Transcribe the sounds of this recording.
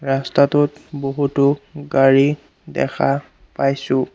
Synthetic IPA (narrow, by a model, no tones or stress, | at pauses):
ɹastatʊt̚boɦutʊɡaɹi | dɛ̰xʰa | pajsʊ̃